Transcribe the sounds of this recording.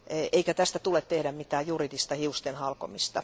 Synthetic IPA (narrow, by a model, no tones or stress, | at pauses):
eʔeikæt̪æst̪æt̪ulet̪tehdæmmit̪æːjjuridist̪ɑhiust̪enhɑlko̰mist̪ɑ